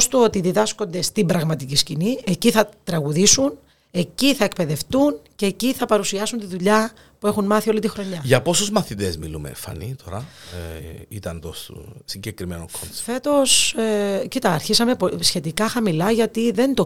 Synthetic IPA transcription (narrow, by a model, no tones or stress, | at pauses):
st̪uot̪iðiðɐsko̞nd̪e̞st̪imbɾɐɣmɐt̪iciscinie̞ciθɐt̪ɾɐɣuðisun | e̞ciθɐek̚pe̞ðe̞ft̪unce̞ːciθɐpɐɾusiɐsunt̪iðuʎɐ | pue̞xunmɐθio̞lit̪ixɾo̞ɲɐʝɐpo̞suzmɐθit̪ezmilumḛḛfɐ̰nit̪o̞ɾɐ | it̪ɐnt̪ost̪ṵsiɲɟekɾimenokonfe̞t̪o̞s | cit̪ɐːɾçisɐme̞psçe̞t̪ikɐxɐmilɐʝɐt̪iðe̞nt̪o